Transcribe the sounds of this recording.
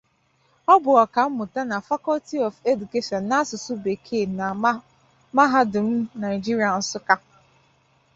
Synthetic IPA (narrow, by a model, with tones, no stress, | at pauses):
ɔ˦bʊ˨ɔ˨ka˨m̩˦mʊ˨ta˦na˨fa˦kɔ˦lti˦ɔ˨fe˦du˨ke˦ʃɔ˨n̩ː˨a˦a˦sʊ˨sʊ˦be˨kʰe˦˨na˨ | ma˦ɦa˦dʊ˨m̩˦na˨ɪ˨d͡ʒi˦ɾi˨a˨n̩˦sʊ˦ka˦